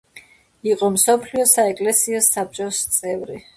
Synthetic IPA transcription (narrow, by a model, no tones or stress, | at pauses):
iqʼɔmsɔpʰliɔsaɛkʼlɛsiɔsap̚t͡ʃʼɔst̪sʼɛvɾi